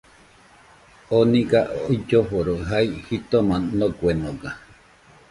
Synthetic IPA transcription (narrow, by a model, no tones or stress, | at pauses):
onĩɡaʔoid͡ʒoɸoɾoɦaihit̪omãnoɡʷenoɡa